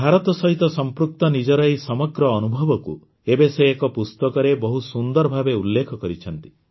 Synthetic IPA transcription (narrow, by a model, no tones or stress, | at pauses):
bʱaɾɔt̪ɔsɔɦit̪ɔsɔmpɾuk̚t̪ɔnid͡ʒɔɾajsɔmɔɡɾɔːnubʱɔbɔkṵ | ebeseːkɔpust̪ɔkɔɾebɔɦusund̪ɔɾɔbʱabeulːekʰɔkɔɾit͡ʃʰɔnt̪i̥